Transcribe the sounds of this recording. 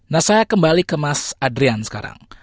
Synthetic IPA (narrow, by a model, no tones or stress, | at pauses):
nasajakəmbalikəmasadɾiansə̥ka̰ɾa̰ŋ